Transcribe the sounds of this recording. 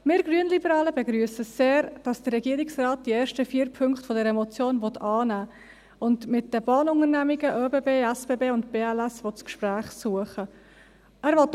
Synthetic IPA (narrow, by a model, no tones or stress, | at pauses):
mɪːɾɡɾyənlibəɾɑːləbɛɡɾyəsəseːɾd̥ɑsd̥ərɛɡiəɾɪksrɑːt̚d̥iɛːɾʃtəfiːəɾpʰʏŋkχtfɔdɛɾəmɔt͡sjoːnvɔtʰɑːnæː | ʊndmɪtdəbɑːnʊŋəɾnæmiɡəʔøːbeːbeːæsb̥eːbeːʊntb̥eːælæsʋɔtt͡skʃpɾæːχsuəχə | æːɾʋɔt